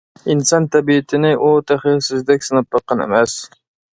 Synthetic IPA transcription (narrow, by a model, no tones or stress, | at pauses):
insɑnt̪ʰɛbiɪt̪ʰɪnɪʔut̪ʰæχiɾsɪzd̪ɛkʲsɨnɑp̚lɑqʰːɑnɪ̰mɛs